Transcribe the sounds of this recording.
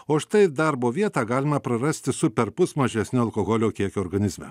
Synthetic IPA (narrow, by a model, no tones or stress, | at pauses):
oːʃt̪ɐɪd̪ɑːɾboːʋʲiɛt̪ɑːɡɑːlʲɪmɐpɾɐɾɐsʲt̪ʲɪsʊpʲɛɾpʊsmɐʒʲɛsʲnʲoːɐlˠkoːɣoːlʲoːkʲiɛkʲoːɾɡɐnʲɪzʲmʲɛ̰